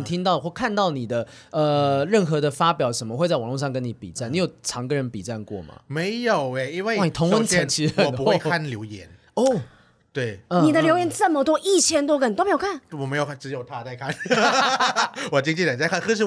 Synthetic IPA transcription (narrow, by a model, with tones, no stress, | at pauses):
t̪ʰi˥ŋt̪ɑ˥˩ʊxwɔ˥˩kʰa˥˧nt̪ɑ˥˩ʊni˨˩d̪ə˦ə˨ɻə˥˩nxɤ˧˦d̪ə˧fa˥pjɑ˨˩ʊʂə˧˥nmə˧xwe˥˧t͡sa˥˩wɑ˨ŋlo˥˧ʂɑ˥˨ŋkə˦ni˧˥pḭ˨˩t͡sa˥˩ni˨˥jo˨˩ʈ͡ʂʰɑ˧˥ŋɡə˨ɻə˧˦npi˨˩t͡sa˥˧nkwɔ̰˥˩mɐ̰˩me˧˥ɪjo˨˩ʊe˥˨˩i˥nwe˥˧ɪ˥˨ni˨˩t̪ʰo˧˦ŋwə˥nt͡ɕʰɛ˧˥nt͡ɕʰi˥ə˥˨˩pu˧˦xe˧kʰa˥˧nljo˧˥ʊjɛ̰˧˦n | ɔ˥˩ | t̪we˥˩ɪə˨ni˨˩d̪ə˦ljo˧˥ʊjɛ˧˥nt͡sə˥˩mə˨t̪wɔ˥ʔi˥˩t͡ɕʰjɛ˥nt̪̬wɔ˥kə˧˩n˨o˥me˧˥jkʰa˥˩nwɔ˨˩me˧˥jo˨˩˥ʈ͡ʂɻ̩˧˥jo˨˩ʊt̪ʰa˥˧t͡sa˥˧ɪkʰa˥˨n | wɔ˨˩t͡ɕi˥ŋt͡ɕʰi˥˩ta˨˩nt͡sa˥˧kʰa˥˧nxɤ˥˧ʂ̬ɻ̩˥˩